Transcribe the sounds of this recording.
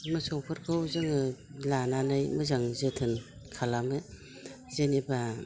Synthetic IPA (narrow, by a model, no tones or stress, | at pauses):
mɯsɔŋpʰɯɾkʰɯwzɯŋɯlananɯjmɯzaŋzetʰɯnkʰalamɯ | zeniba